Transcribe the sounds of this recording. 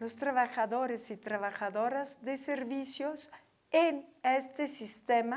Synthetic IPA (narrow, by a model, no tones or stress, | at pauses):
lost̪ɾaβaxaðoɾesit̪ɾaβaxaðoɾazd̪eseɾβisjos | enest̪esist̪ema